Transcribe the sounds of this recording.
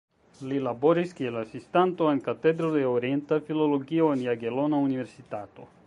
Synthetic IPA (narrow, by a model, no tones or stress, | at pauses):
lilaboɾiskielasist̪ant̪oeŋkat̪ed̪ɾod̪eoɾjent̪afiloloɡioenjaɡelonauniβeɾsit̪at̪o